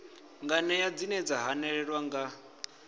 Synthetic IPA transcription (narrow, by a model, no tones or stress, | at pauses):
ŋɡanɛjad͡zinɛd͡zaɦanɛɺɛɺwaŋɡa